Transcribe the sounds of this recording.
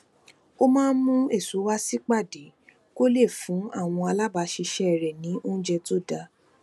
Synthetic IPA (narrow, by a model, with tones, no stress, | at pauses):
o˦mãː˦˧˦nmũ˦e˦˨su˨˦wa˦si˦k͡pa˦˨de˨˦ | ko˦le˦˨fũ˨˦a̰˦˨w̃ɔ̃˧a˧la˦ba˧ʃi˧ʃɛ˦˨ɾɛ˨nĩ˨˦ʔõ˦d͡ʒɛ˧to˦˨da˧